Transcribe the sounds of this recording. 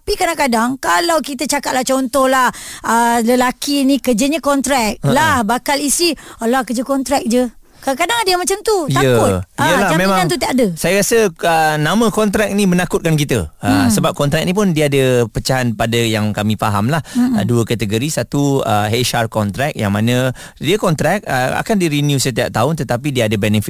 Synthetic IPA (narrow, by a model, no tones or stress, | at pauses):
t̪apikadãŋkadaŋkalawkit̪ət͡ʃakat̪̚laht͡ʃɔnt̪ɔhlahələlakinikəd͡ʒəɲəkɔnt̪ɾɛk̚lahbakalisialakəd͡ʒəkɔnt̪ɾɛk̚d͡ʒə | kaãkadaŋadəamat͡ʃamt̪uaəkʊt̪əlaamẽimãŋãnt̪ut̪iaʔdəsajaɾasəənamə̃kɔnt̪ɾɛk̚nĩmənakʊt̪̚kank̬it̪əəsəbap̚kɔnt̪ɾɛk̚nĩp̬ʊndiəadəpət͡ʃaɦanpadəjaŋkamĩfaɦamlahəduəkat̪əɡəɾisat̪uə̰ɦeʃarkɔnt̪ɾɛk̚ja̰ŋmanə̃ | diəkɔnt̪ɾɛk̚ə̰a̰kandiɾinjusət̪ia̰p̚t̪aʊnt̪ət̪ap̬idiəadəbɛnəfɪt̪̚